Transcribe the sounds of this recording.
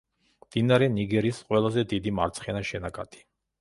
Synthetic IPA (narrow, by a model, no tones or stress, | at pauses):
md̪̥inaɾɛniɡɛɾisqʼwɛlˠazɛd̪id̪ima̰ɾt̪sʰχɛnaʃɛnakʼat̪ʰʼi̥